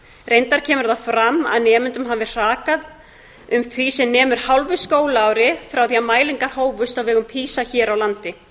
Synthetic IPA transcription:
rejnt̪aɾ̥cʰɛːmʏɾðafɾamːa̰ðnɛːmʏnt̪ʏmɦavɪr̥aːkað | ʏmθʰvisɛmnɛːmʏɾ̥hawlvʏskoːwlaaːwɾɪfɾawθiamaːjliŋkaɾ̥hoːwvʏst̪avɛɣʏmpʰiːsaçɛːɾawlant̪ɪ

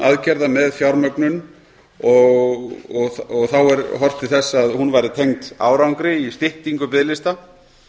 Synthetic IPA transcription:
aðcɛɾðamɛðfjawɾmœknʏn | ɔɣɔɣθɔɣθawɛɾɦɔr̥t̪ɪθɛsːaðhunvajɾɪt̪ʰejŋt̪a̰ːwɾawŋkɾɪist̪ɪht̪iŋkʏpɪðlɪst̪a

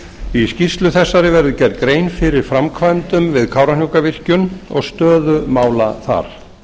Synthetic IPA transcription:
iscist̪lʏθɛsːaɾɪvɛɾðʏcɛɾt̪kɾeːjnfɪɾɪɾ̥fɾamkʰvajnt̪ʏmvɪðkʰaːwɾanjuwkavɪr̥cʏnɔ̰ɣst̪œːðʏmaːwla̰θa̰ɾ̥

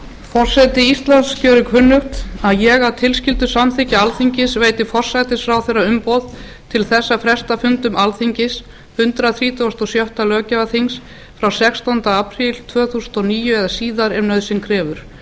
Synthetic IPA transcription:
fɔr̥sɛt̪ɪist̪lant̪scœwɾʏkʰvʏnːʏxt̪aðjɛɣawt̪ʰɪlscɪlt̪ʏsamθɪcɪalθiɲcɪsveːjt̪ɪfɔr̥sat̪ɪsfɾawθejraʏmpowð | t̪ʰɪlθɛsːafɾɛst̪afʏnt̪ʏmalθiɲcɪs | hʏnt̪ɾaθɾiːt̪ʰɔwst̪ɔsjɔwht̪alœːcɛvaθiŋs | fɾawsɛkst̪ɔnt̪aapɾilt̪ʰvœːθusnt̪ɔniːjʏɛðasiːðaɾɛmnœðsɪnkʰɾɛːvʏɾ̥

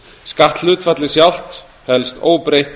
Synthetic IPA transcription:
skaht̪lʏːt̪fat̪lɪsjawl̥t̪ | hɛlst̪oːwpɾejht̪

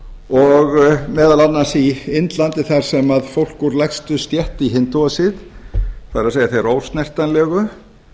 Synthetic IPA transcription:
ɔɣmɛːðalat̪nːansiɪnt̪lant̪ɪθaɾ̥sɛmaðfowl̥kuɾlɛkst̪ʏst̪jɛht̪iɦɪnt̪uasɪðθaðɾaðseːjaθejɾoːwst̪nɛr̥t̪anlɛɣʏ

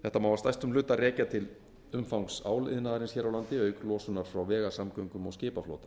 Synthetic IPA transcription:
θɛht̪ːamawvast̪ajst̪ʏmlʏːt̪aɾɛːcat̪ʰɪl | ʏmfawŋksa̰ːwlɪ̰ðnaːðaɾɪnsçɛːɾawlant̪ɪœːɥklɔːsʏnaɾ̥fɾawvɛːɣasamkœɥŋkʏmawscɪːpaflo̰ːwt̪a

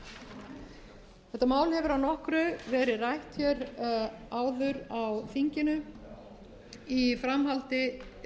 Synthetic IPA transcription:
θɛht̪amaːwlhɛvʏɾawnɔhkɾʏvɛːɾɪrajht̪fjɛɾ | aːwðʏɾawθiɲcɪnʏ | ifɾamhalt̪ɪ

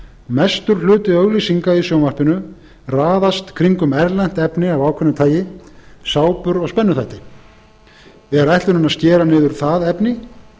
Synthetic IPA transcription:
mɛst̪ʏɾ̥lʏːt̪ɪœɣlisiŋkaisjowmar̥pɪnʏ | raːðast̪kʰɾiŋkʏmɛɾlɛn̥t̪ɛpnɪavaːwkʰɛnːʏt̪ʰaːjɪsaːwpʏɾɔɣspɛnːʏθajt̪ɪ | ɛɾajht̪ʏɾʏnascɛːɾanɪːðʏɾ̥θaðɛpnɪ

